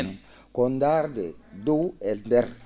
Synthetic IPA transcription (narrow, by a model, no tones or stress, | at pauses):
n | kond̪aɾd̪ed̪ueld̪er